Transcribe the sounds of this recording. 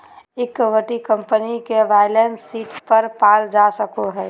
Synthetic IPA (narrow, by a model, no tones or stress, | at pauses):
ɪkːəʋəʈikə̃mpənikeʋaɪlenssiːʈpəɾpaːld͡ʒasəkoɦɛː